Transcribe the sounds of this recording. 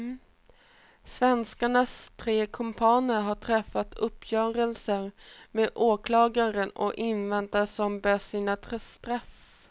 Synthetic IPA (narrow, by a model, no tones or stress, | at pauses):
svɛnskaɳast̪ʰɾeːkʰɔmpʰɑːnəɾɦaʈʰɾɛfːat̪ʰɵpʰːjœːɾəlsəɾmeːd̪ʔoːkʰlɑːɡaɾənɔ̰ʔɪnvɛnt̪aʂɔmbɛːʂiːnat̪ʰɾɛst̪ɾaf